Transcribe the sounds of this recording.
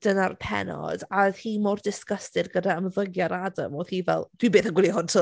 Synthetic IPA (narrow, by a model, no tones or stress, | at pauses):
d̥ənarpʰɛ̰nɔ̰d̥aðhiːmordɪskəstɨdɡədaəmðəɡjaɾada̰moðhiːvɛ̰lˠd̥wibeːθənɡwɪlˠiɦʊntʰə